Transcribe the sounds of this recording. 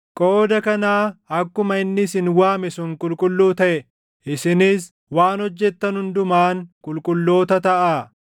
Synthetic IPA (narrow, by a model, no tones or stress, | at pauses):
kʼo̞ːd̪ɐkɐnaːɐkːʊmɐɪnːɪsɪnwaːmɛsʊŋkʼʊlkʼʊlːuːt̪ɐʔɛ | ɪsɪniːs | waːnɔd͡ʒːɛt̪ːɐnhʊnd̪ʊmaːŋkʼʊlkʼʊlːo̞ːt̪ɐt̪ɐʔaː